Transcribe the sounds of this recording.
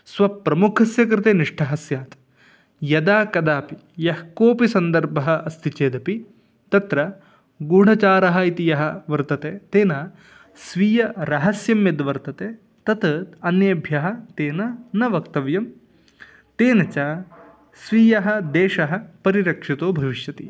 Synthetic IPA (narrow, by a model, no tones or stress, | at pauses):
sʋɐpɾɐmukʰɐsjɐk̬ɾɪt̪eːniʂʈʰɐɦɐsjaːt̪ | jɐd̪aːkɐd̪aːpi | jɐɦkoːpisɐnd̪ɐɾbʱɐɦɐ̆ɐst̪ʰit͡ʃeːd̪ɐpi | t̪ɐt̪ɾɐ | ɡuːɽ̤ɐt͡ʃaːɾɐɦɐit̪ijɐɦɐ̆ʋɐɾt̪ɐt̪eːt̪eːnaː | sʋiːjɐɾɐɦɐsjɐmjɐd̪ʋɐɾt̪ɐt̪eː | t̪ɐt̪ɐt̪ɐnjɐbʱjɐɦɐ̆t̪eːnɐnɐʋɐkt̪ɐʋjɐm | t̪eːnɐt͡ʃaː | sʋiːjɐɦɐ̆d̪eːʂɐɦɐ̆pɐɾiɾɐkʂit̪oːbʱɐʋiʃjɐt̪ḭ